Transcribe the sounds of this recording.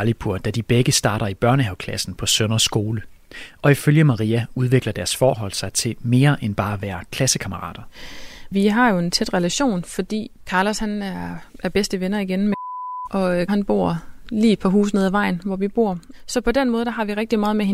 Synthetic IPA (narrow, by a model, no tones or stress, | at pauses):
ɑlipʰuɐ̰d̥æd̥ib̥eɡ̥əsd̥ɑ̈ːɾɐib̥ɶɐnəɦeʊkʰlæsn̩pʰɒ̽sønɐsːɡ̥o̝ːlə | ɒ̽iføljəmɑ̈ʁḭːæuðˠʋe̝ɡ̥lɐd̥æɐsfɒːɦɒ̽l̰sɑ̈ɪt͡sʰe̝me̝ːɐʔenb̥ɑ̈ːʋæːɐkʰlæsəkʰɑ̈məʁɑ̰̈ːd̥ɐʋiɦɑ̈jo̝e̝nt͡sʰed̥ʁɛlæɕo̝̰ːnfɒ̽d̥ḭːkʰɑ̈ːlɐshænæɐʔæɐb̥esd̥əʋenɐiɡ̥enmʔɒ̽ɦænb̥o̝̰ɐ̰liːed̥̚pʰɑɦṵːs̬neð̰ˠæʋɑ̈ɪn̩ʋɒʋib̥o̝̰ɐ̰sɒ̽pʰɒ̽d̥en̰mɔ̽ːð̞ˠd̥ɑɦɑ̈ʋiʁɛɡ̥̚d̥imɑːð̞̩ˠmeɦe